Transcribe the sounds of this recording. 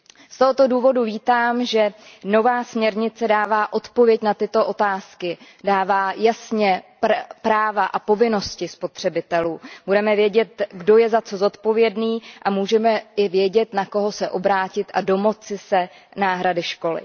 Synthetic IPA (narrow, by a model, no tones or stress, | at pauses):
st̪o̞ɦo̞t̪o̞duːvo̞duviːt̪aːmʒɛno̞vaːsmɲɛɾɲɪt͡sɛdaːvaːʔo̞t̪po̞vjɛcnat̪ɪt̪o̞ʔo̞t̪aːskɪ | daːvaːjasɲɛppɾaːvaʔapo̞vɪno̞scɪspo̞t̪r̝̥ɛbɪt̪ɛluːb̥udɛmɛvjɛɟɛt̪ɡdo̞jɛzat͡so̞zo̞t̪po̞vjɛdniːʔamuːʒɛmɛɪvjɛɟɛt̪nako̞ɦo̞sɛʔo̞bɾaːcɪt̪ʔado̞mo̞t͡sɪsɛ | naːɦɾadɪʃko̞lɪ̰